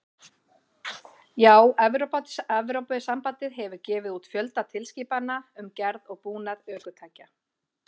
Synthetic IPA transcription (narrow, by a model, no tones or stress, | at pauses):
jaːwɛvɾopat̪ɛvɾowpʏðɪsampat̪ɪðɦɛvʏɾcɛːvɪðuːt̪fjœlt̪at̪ʰɪlsciːpanːaʏmcɛɾðɔɣpuːnaðœːkʏt̪ʰaːjca